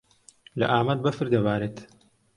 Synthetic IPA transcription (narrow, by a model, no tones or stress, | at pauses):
lɐ̰ʔaːmɐd̪̚bɐfɨɾd̪ɐbaːɾeːt̪